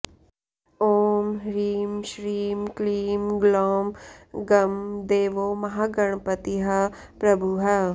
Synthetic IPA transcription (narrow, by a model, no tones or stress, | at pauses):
oːmɾiːmʃɾiːmkliːmɡloːmɡɐmd̪eːʋoːmɐɦaːɡɐɳ̃pɐt̪iɦɐ | pɾɐbʱuɦɐ